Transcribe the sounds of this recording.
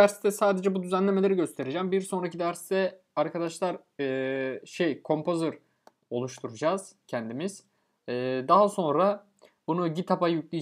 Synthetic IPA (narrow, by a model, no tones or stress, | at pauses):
æɾst̪ɛsaːd̪e̞d͡ʒɛbud̪yzænlʲe̞melʲe̞ɾiɟø̞st̪ʰe̞ɾed͡ʒæmbiɾso̞nɾacid̪æɾst̪ɛ | aɾkʰad̪aʃlˠaɾ | ʃejkʰo̞mpʰo̞zɯɾ | o̞lˠuʃt̪ʰuɾud͡ʒaːz̥cʰɛnd̪imiz̥ | ɛːd̪aɦaso̞nɾa | bunuɟit̪ʰapajyclʲi